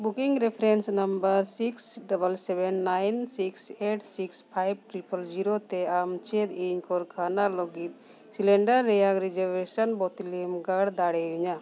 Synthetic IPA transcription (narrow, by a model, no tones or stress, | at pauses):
bukiŋɡɾepʰɾensnɐmbəɾsiksɖɐbəlsebɛnːajnsikseʈsikspʰajb̚ʈɾipəld͡ʒiɾot̪eamt͡ʃed̪eɲkɔɾkʰaːnalɔɡit̪̚ | silɛ̃ɳɖəɾːɛjakɾid͡ʒəʋesənbɔt̪limɡaɽd̪aɽeɦuɲa